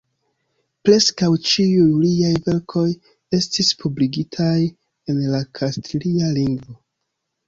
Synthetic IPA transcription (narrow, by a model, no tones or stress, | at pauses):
pɾe̞skawt͡ʃiujliajve̞ɾkʰo̞j | e̞stispʰubliɡitʰaj | e̞nlakʰastlialiŋɡvo